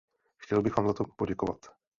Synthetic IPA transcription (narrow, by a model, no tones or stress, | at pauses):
xcɛlbɪxvaːmzat̪opoɟɛkova̰t̪